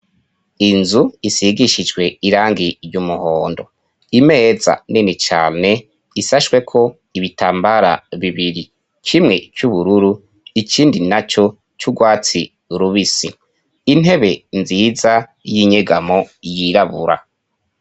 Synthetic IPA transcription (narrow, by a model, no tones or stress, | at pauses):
inzuisiɡiʃid͡ʒɡwe̞iɾaːŋɡijumuhoːndo̞̰ | ime̞ːza̰ninit͡ʃa̰ːne̞ | isaʃwe̞kʰo̞ | iβitaːmbaɾa̰βiβiɾi | t͡ʃimŋe̞t͡ʃuβuɾuɾu | ikiːndinat͡ʃo̞ | t͡ʃuɡwaːt͡si | ɾuβisi | in̥ɦe̞βe̞nziːzajiɲeɡamo̞jiɾaβuɾa̰